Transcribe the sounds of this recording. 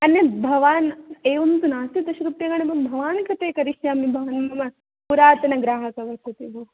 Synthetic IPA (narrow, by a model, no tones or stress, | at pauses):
ɐnjɐbʱɐʋaːneːʋɐnt̪unaːsit̪ɐʃɾup̪jɐɡɐɳɐbɐmbʱɐʋaːnkʰɐt̪eːkɐɾiʃjaːmibʱɐʋɐnmɐmɐ | puɾaːt̪ɐnɐɡɾaːɦɐkɐʋɐɾkut̪ibɐ